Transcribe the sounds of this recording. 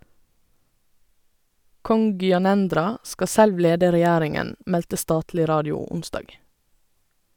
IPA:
ˈkɔŋ ɡʏɑˈnɛndɾɑ ˈskɑ ˈsɛlʋ ˈleːdə ɾɛˈjæːɾɪŋən ˈmɛltə ˈstɑːtlɪ ˈɾɑːdɪʊ ˈʊnˌsdɑːɡ

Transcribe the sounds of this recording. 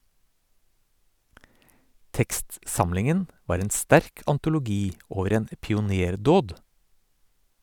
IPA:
ˈtɛkstˌsɑmlɪŋən ˈʋɑːɾ ˈeːn ˈstæɾk ɑntʊlʊˈɡiː ˈoːʋəɾ ˈeːn ə pɪʊˈneːɾˌdoːd

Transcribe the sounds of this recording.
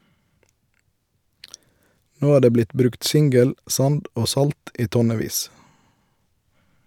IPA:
ˈnoː ˈæː ˈdeː ˈblɪt ˈbɾʉkt ˈsɪŋɡəl ˈsɑnd ˈoː ˈsɑlt ˈiː ˈtɔˌneːˌʋiːs

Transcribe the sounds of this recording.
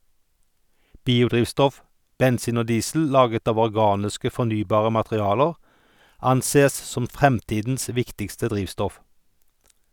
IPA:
ˈbiːʊˌdʁiːʋstɔf bɛnˈsiːn ˈoː ˈdiːsl̩ ˈlɑːɡət ˈɑːʋ ɔʁˈɡɑːnɪskə fɔʁˈnyːbɑːʁə mɑtʁɪˈɑːləʁ ˈɑnˌseːəs ˈsɔm ˈfʁɛmˌtiːdn̩s ˈʋɪktɪkstə ˈdʁiːʋstɔf

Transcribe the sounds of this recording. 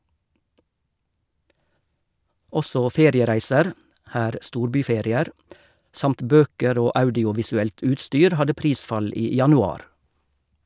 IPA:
ˈɔsɔ ˈfeːɾɪəˌʁæɪsəɾ ˈhæːɾ ˈstuːɾˌbyːˌfɛɾɪˌeːɾ ˈsɑmt ˈbøːkəɾ ˈoː ˈɑʉdɪʊʋɪsʉˌɛlt ˈʉːtˌstyːɾ ˈhɑdə ˈpɾiːsfɑl ˈiː jɑnʉˈɑːɾ

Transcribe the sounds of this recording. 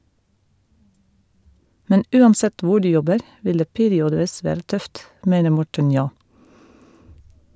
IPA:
ˈmɛn ˈʉːɑnˌsɛt ˈʋʊ ˈɖʉː ˈjɔbəɾ ˈʋɪl ˈdeː ˈpeːɾɪɔdəˌʋɪs ˈʋæːɾə ˈtœft ˈmeːnə ˈmɔʈən ˈnjoː

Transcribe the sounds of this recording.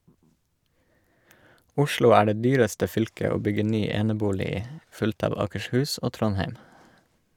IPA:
ˈʊʃlʊ ˈæː ˈɖeː ˈdyːɾəstə ˈfʏlkə ˈoː ˈbʏɡə ˈnyː ˈeːnəˌbuːlɪ ˈiː ˈfʉlt ˈɑːʋ ɑːkəʃˈhʉːs ˈoː ˈtɾɔnheɪm

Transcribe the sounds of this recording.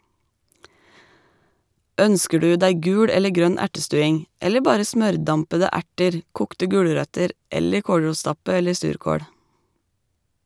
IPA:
ˈœnskə ˈɖʉː ˈdæɪ ˈɡʉːɽ ˈɛlə ˈɡɾœn ˈæʈəˌstʉːɪŋ ˈɛlə ˈbɑːɾə ˈsmœɾˌdɑmpədə ˈæʈəɾ ˈkuːktə ˈɡʉːɽəɾœtəɾ ˈɛlə ˈkoːɽɹuːˌstɑpə ˈɛləɾ ˈsʉːɾkoːɽ

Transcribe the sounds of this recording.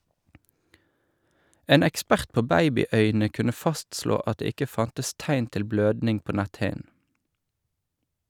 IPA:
ˈeːn ɛkˈspæʁt ˈpoː ˈbæɪbɪˌœʏnə ˈkʉnə ˈfɑstsloː ˈɑt ˈdeː ˈɪkə ˈfɑntəs ˈtæɪn ˈtɪl ˈbløːdnɪŋ ˈpoː ˈnɛtˌhɪn̩

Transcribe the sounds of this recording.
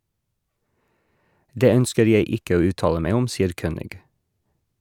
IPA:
ˈdeː ˈœnskəɾ ˈjeɪ ˈɪkə ˈoː ˈʉːˌtɑːlə ˈmeɪ ˈʊm ˈsiːəɾ ˈkøːnɪɡ

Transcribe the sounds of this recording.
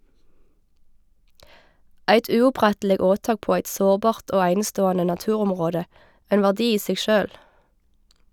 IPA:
ˈæɪt ʉːʊˈpʁɛtl̩ɪ ˈoːˌtɑːk ˈpoː ˈæɪt ˈsoːʁˌbɑːʁt ˈʔoː ˈæɪnəˌstoːɑnə nɑˈtʉːˌʁɔmʁoːdə ˈʔæɪn ˈʋæːʁdɪ ˈiː ˈseːɡ ˈʃøːl

